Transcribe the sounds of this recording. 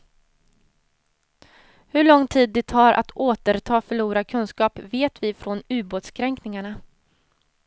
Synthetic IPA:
hɵɭɔŋːt̪ʰiːd̪̚ːɛt̪ʰɑːɾʔa̰t̪ʰoːt̪əɾt̪ʰɑːfœɭuːɾakʰɵnskɑːpveːt̪vɪfɾɔnʉ̟ːboːt̪skʰɾɛŋknɪŋaɳa

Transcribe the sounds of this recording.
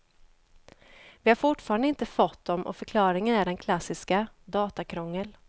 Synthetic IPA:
vɪhaɾfʊʈfɑːɾand̪əɪnt̪əfɔt̪̚ːd̪ɔmʔɔ̰fœɾkʰlɑːɾɪŋənæɖɛnkʰlasːɪskad̪ɑːt̪akʰɾɔŋːəl

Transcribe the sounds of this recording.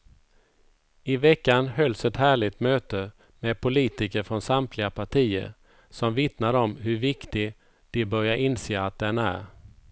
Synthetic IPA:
ɪvɛkːanhœlsɛt̪hæːɭɪɡ̚t̪møːt̪ə | med̪̚pʰʊliːt̪ɪkəɾfɾɔnsamt̪lɪɡapʰaʈʰiːə̰ɾ | sɔmvɪt̪naɾɔmɦɵɾvɪkt̪ɪ | d̪̥ɛbœɾjaʔɪnseːaːt̪̚d̪ɛnæ̰ɾ

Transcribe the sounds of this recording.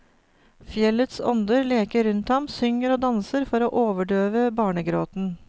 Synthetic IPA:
fjɛlət̪sɔ̰nd̪əɾleːkəɾʉnt̪hɑmsʏŋəɾoːd̪ɑnsəɾfɔɾoːʔoːʋəɖøːʋəbɑːɳəɡɾoːt̪n̩

